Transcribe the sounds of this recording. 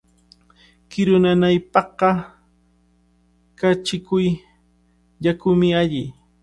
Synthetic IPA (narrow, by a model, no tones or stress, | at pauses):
kɪɾʊnanajpɑqːɑ | kat͡ʃɪkʊj | ʎakʊmɪaʎɪ